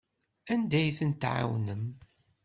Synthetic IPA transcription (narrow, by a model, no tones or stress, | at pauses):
ænd̪æjθənt̪ʕa̰wnəm